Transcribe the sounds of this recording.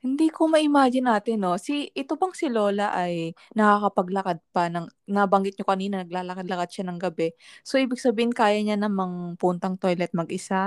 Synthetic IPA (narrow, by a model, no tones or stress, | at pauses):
hɪnd̪iːkomɐʔɪmaːd͡ʒɪnːaːt̪ɪnːo̞sɪʔɪt̪obɐŋsɪlo̞ːlɐʔajnɐkaːkɐpɐɡlɐkad̪̚pɐnɐŋnɐbɐŋɡɪt̪̚ɲokɐniːnɐnɐɡ̚laːlɐkad̪̚lɐkad̪̚ʃanɐŋɡɐbɛso̞ʔiːbɪɡ̚sɐbiːhɪnkaːjɐɲanɐŋmɐŋpunt̪ɐŋt̪o̞jlɛt̪̚mɐɡʔɪsa